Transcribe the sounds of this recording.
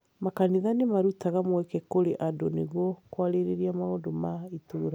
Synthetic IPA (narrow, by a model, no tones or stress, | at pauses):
makaniðanemaɾutaɣamwɛkɛkoɾeʔadoneɣɔkwaɾeɾeɾiamaondomaitoːɾa